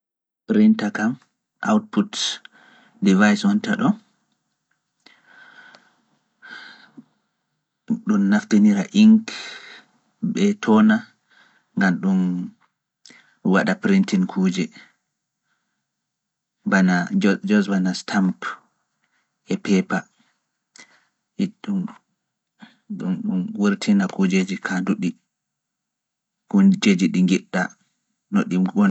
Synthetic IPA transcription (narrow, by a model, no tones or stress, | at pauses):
pɾintakam | ʔa̰wt̚put | divajswɔntaɗɔ | ɗunːafteniɾaʔiŋk | bɛtʰɔna | ŋɡamɗun | waɗapɾintinkʰuːd͡ʒɛ | banad͡ʒɔsvanastʰamp | ʔɛpɛpa | iɗum | ɗumɗumwuɾtʰinakud͡ʒed͡ʒikʰanduɗi | kud͡ʒed͡ʒiɗiŋɡiɗːa̰ | noɗiɡɔn